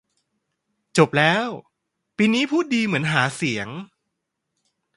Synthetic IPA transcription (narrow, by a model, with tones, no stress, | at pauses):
t͡ɕo˨˩p̚lɛː˦˥w | piː˧niː˦˥pʰuː˥˩t̪̚diː˧mɯ˩˦ənɦaː˩˦si˩˦əŋ